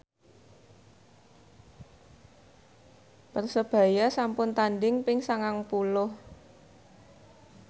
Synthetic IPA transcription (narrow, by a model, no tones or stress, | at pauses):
pərsəb̥ä̤jasampʊnt̪anɖɪŋpɪŋsaŋaŋpulʊh